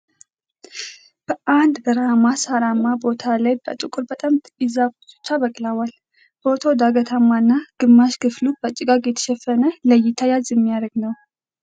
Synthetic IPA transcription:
b̥əʔand̪bəɾamasaɾamːabo̞t̪ʰalajbə̰t̪ʼukʼʊɾbət̪ʼamt̪ɪzakt͡ʃɨ̥t͡ʃːabəkʼlawal | bo̞t̪ʰo̞d̪aɡət̪ʰamːanːaɡ̥ɨmːaʃkʰɨflub̥ət͡ʃʼːɪɡaɡjɛt̪ʰə̥ʃɛfːənələjɪt̪ʰajalzɛmːijaɾəɡnəw

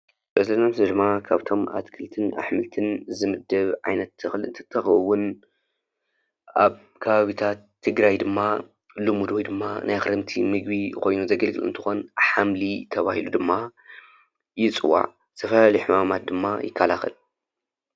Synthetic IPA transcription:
bɐzɐnɐmsɨdɨmakʰaβt̪ʰo̞ma̰t̪kʰɨlt̪ʰɨna̰ħmɨlt̪ʰɨnzɨmɨd̪ːɐβʕajnɐt̪ːʰɨxlɨnt̪ʰɐ̥t̪ʰːɐxɐwːʊn | ʔaβ | kʰɐβaβit̪ʰat̪ʰːɨɡɾajd̪ɨmːa | lɨmud̪wojd̪ɨmːanʔajxɨɾɨmt̪ʰḭmɨɡbikʰo̞jnuzɐɡɐlɡɨ̰lɨnt̪ʰɨ̥xonħamlit̪ʰɐβahilud̪ɨmːa | jɪt͡sʼɨwa̰ʕ | t̪ʰɐfɐlalijħumamat̪̚d̪ɨmːajɪ̰kʰːalaxɐ̰l

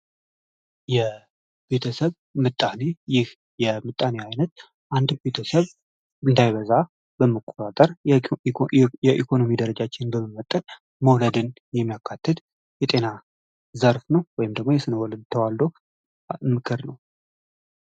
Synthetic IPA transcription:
jɛ | b̥e̞t̪ʰəsəβ | mɨt̪ʼːane̞jɪh | jɛmɨt̪ʼːaneajnət̪̚ | ʔand̪be̞t̪ʰəsəβ | ɨnd̪ajβəza | bəmːəkʼːo̞t̪ʼat̪ʼəɾ | jɛʔikʰo̞no̞mid̪əɾəd͡ʒat͡ʃːɪnbəmːɨmːət̪ʼːən | məwləd̪ɨn | jɛmːijakʰːat̪ʰːɨt̪ | jɛt̪ʼe̞na | zəɾfnəwwɔjɪmd̪əɡmo̞jɛsɨnəwɔləd̪t̪ʰəwald̪o̞ | mɨkʰɨɾnəw

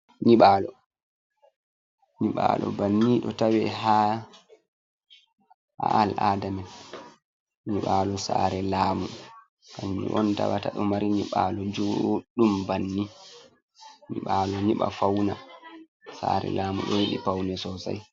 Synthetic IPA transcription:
ɲiɓaːlɔ | ɲiɓalʔɔ̰banːiɗɔtawɛɦa | ha̰alʔaːdamɛn | ɲiɓalɔsaːɾɛlaːmu | kamḭʔɔntawataɗɔmaɾiɲiɓalɔd͡ʒoɗumbanːi | ɲiɓalɔɲiɓa̰fawna | saːɾɛ̰laːmuɗɔwiɗipawnɛsɔsa̰j

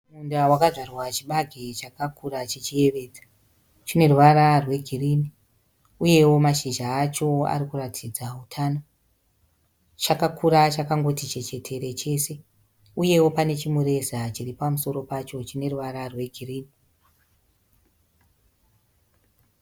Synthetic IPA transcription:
mundawakaʐarwat͡ʃiɓaɡʱet͡ʃakakuɾat͡ʃet͡ʃie̞ʋe̞ːd͡zḁ | t͡ʃine̞ruʋaɾarwe̞ɡʱiriːni | uje̞wo̞maʃiʒaːt͡ʃo̞a̰ɾikuratʰid͡zautʰaːno̞ | t͡ʃakakʰuɾat͡ʃakaŋɡo̞tit͡ʃe̞t͡ʃe̞tʰe̞ɾe̞t͡ʃe̞ːse̞ | uje̞wo̞pane̞t͡ʃimuɾe̞sat͡ʃiɾipamuso̞ɾo̞pat͡ʃo̞t͡ʃine̞ruʋaɾarwe̞ɡʱiriːni

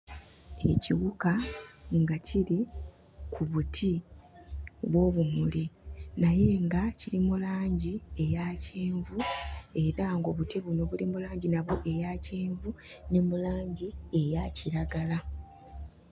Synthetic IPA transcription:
e̞̰ciɣukaŋɡaciɾi | kʰuβutʰi | βwo̞ːβumulinaje̞ːŋɡaciɾimulaːɲɟie̞jaceːɱvue̞ɾaŋɡo̞βutiβuno̞βulimulaːɲɟinaβoʔe̞jaceːɱvune̞mulaːɲɟie̞jaciɾaɡala

